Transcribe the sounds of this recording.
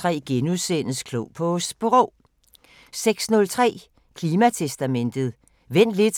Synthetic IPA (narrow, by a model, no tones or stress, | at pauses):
ʁɛ̰ːɡ̥enuðˠsen̰əskʰloʊpʰɔsb̥ʁɔʊ | seɡ̥snɔ̽lt͡sʰʁɛ̰ː | kʰliːmæt͡sʰesd̥æmen̰d̥ð̩ˠ | ʋen̰d̥le̝d̥